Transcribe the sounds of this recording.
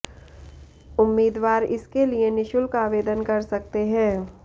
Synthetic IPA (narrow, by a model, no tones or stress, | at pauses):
ʊmːiːd̪ʋaːɾɪskelienɪʃʊlkaːʋeːd̪ənkɐɾsɐk̚t̪eɦɛ̃ː